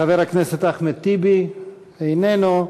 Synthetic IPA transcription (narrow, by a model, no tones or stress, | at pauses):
aveʁhakneset̪aχmet̪ibi | ejneno